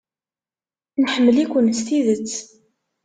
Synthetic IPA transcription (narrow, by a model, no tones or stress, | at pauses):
nħəmːəlikʷənst̪iðət͡sː